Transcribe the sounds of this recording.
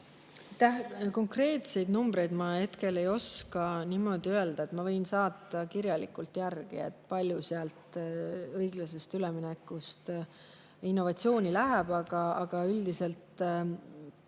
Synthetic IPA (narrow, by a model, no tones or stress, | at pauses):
t̪æhko̞ŋkre̞ːt̪se̞jd̪numb̥ɾe̞jd̪mɑhe̞t̪ke̞le̞jo̞skɑnimo̞d̪̥iøe̞ld̪̥ɑe̞t̪mɑvɤ̞jnsɑːt̪ːˑɑkiɾjɑlḭkːˑult̪jærɡ̥ḭḛt̪ːˑpɑlʲjuseɑlt̪ɤjɡ̥lɑse̞st̪yleminekːˑust̪ | inːo̞vɑt̪sio̞ːnʲilæɦeb̥ɑɡ̥ɑːɡ̥ɑyld̪ise̞lt̪